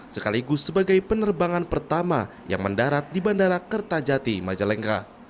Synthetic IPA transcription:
səkaliɡʊsːəbaɡajpənərbaŋanpərt̪ama̰ | ja̰ŋməndaɾat̪̚dibandaɾakərt̪ad͡ʒat̪imad͡ʒalɛŋka

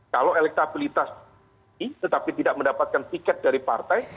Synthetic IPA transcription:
kalawelɛk̚t̪abilit̪as | it̪ət̪apit̪idaʔ̚məndapat̪̚kant̪ikɛt̪̚daɾipa̰rt̪aj

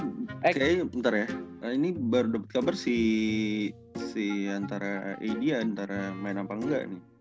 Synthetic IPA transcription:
kajaənt̪aɾajaəinibərdɔpət̪̚kabərsi | siant̪aɾaḛjdiaːnt̪aɾamaɪnapaŋɡa̰ʔnɪh

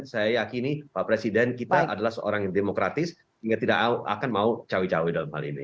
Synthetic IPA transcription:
sajajakinipapɾesidɛnkit̪aʔadalahsəo̰ɾaŋjaŋdemokɾat̪ɪs | iŋɡat̪idaka̰kanmaut͡ʃawit͡ʃawidalamha̰lḭnḭ

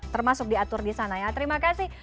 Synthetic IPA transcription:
t̪ərmasʊk̚diat̪ʊrdisanajat̪əɾimakasɪh

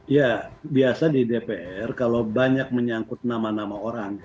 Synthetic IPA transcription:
ijabiasadidepeʔɛrkalobaɲak̚məɲaŋkʊt̪̚namanamaoɾaŋ

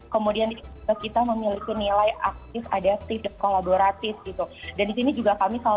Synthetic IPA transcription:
kəmudiani | akit̪aməmilikinilajʔak̚t̪ɪfa̰dat̪ɪfdkolaboɾat̪ɪfɡit̪udandisinid͡ʒuɡakamisa

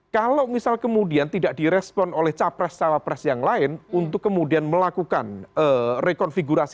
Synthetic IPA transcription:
kalomisalkəmudiant̪idaʔdiɾɛspɔnolɛht͡ʃapɾɛst͡ʃawapɾɛsjaŋlaɪnunt̪ʊkːəmudianməlakukanərekɔnfiɡuɾasi̥

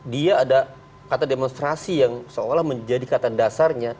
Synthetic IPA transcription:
diaːda | kat̪ademonst̪ɾasijaŋsəolahməɲd͡ʒadikat̪adasarɲa

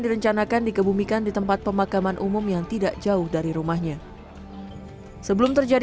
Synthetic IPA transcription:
diɾəɲt͡ʃanakandikəbumikandit̪əmpat̪̚pəmakamanʔumʊmjaŋt̪idaʔd͡ʒaʊhdaɾiɾumahɲa | səbəlʊmt̪ərd͡ʒa

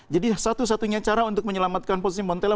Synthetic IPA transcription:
d͡ʒadisat̪us̬at̪uɲat͡ʃaɾaunt̪ʊk̚məɲəlamat̪̚kanpossimɔnt̪ela

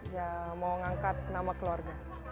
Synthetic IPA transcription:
jamawŋaŋkat̪̚namakəluarɡa

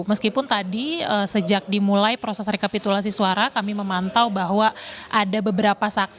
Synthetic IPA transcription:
məskipʊnt̪adiəsəd͡ʒak̚dimulajpɾosɛsɾikapit̪ulas̬isuaɾakamiməmant̪awbaɦwaʔadabəbəɾapasak̚s

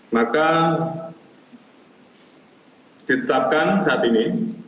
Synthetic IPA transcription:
maka | d̪̥it̪ət̪ap̚kansat̪ini

